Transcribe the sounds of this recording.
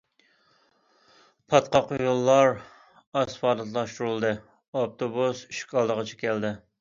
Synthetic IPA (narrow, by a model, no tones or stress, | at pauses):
pʰɑt̪qɑqujulˠːɑɾ | ɑsfɑːd̪ɨt̪lˠɑʃt̪uɾɨlˠd̪ɨ | op̚t̪ʰobusiʃkʲʰɑlˠd̪əʁɑt͡ʃʰɛ̥kʲɛld̪ɪ